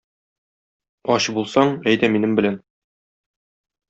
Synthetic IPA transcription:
ɒɕbulˠsɑɴæjd̪æminɘmbɘ̆læn

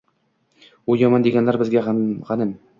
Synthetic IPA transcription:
ujɒmɑnd̪eɡʲanlæɾbɘzɡʲaʁɑnɘn

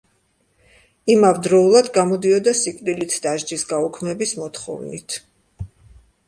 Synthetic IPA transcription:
imavd̪ɾɔulˠad̪ɡamɔd̪iɔd̪asikʼd̪ilit̪ʰd̪aʒd͡ʒisɡaukʰmɛbismɔt̪χɔ̰vnḭt̪ʰ

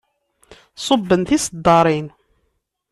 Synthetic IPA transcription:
sˤobːənθisəd̪ːɑɾˤin

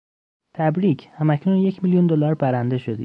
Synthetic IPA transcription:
t̪ʰæbɾiːcʰhæmæcʰnunje̞cʰmiljund̪olɒɾbæɾænd̪e̞ʃod̪ḭ̥

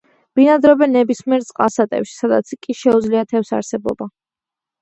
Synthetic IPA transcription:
b̥inad̪ɾɔbɛnːɛbismiɛɾt̪sʼqʼasat̪ʼɛ̰pʃi̥sad̪at̪sʰkʼiʃɛud̪zliat̪ʰɛfsa̰ɾsɛbɔ̰ba

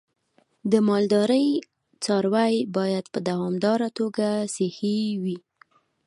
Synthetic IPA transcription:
d̪əmɑld̪ɑɾəj | t͡sɑɾwajbɑjad̪pəd̪awɑmd̪ɑɾat̪oɡasehiwi

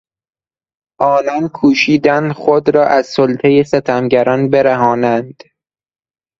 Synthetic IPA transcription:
ʔɒːnɒːnkʰuːʃiːd̪ænd̪xod̪ɾɒːʔæzsolt̪ʰejeset̪ʰæmɟæɾɒːnbeɾæɦɒːnænd̪̥

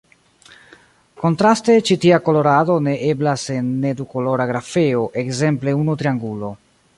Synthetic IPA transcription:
ko̞ntɾaste̞t͡ʃitiako̞lo̞ɾado̞ne̞ʔe̞blase̞nːe̞duko̞lo̞ɾaɡɾafe̞o̞ʔe̞kze̞mple̞unutɾiaŋɡulo̞

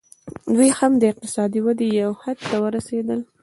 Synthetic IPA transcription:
d̪wujhamd̪əɪq̚t̪ɪ̥sɑd̪iwad̪ejawhad̪̚t̪awəɾased̪əl

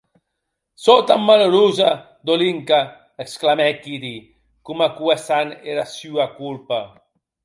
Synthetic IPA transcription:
sɔt̪amːaloɾuːza | d̪oliŋka | eksklamɛkːid̪i | kumakuɛsanɛɾasyːakulpa

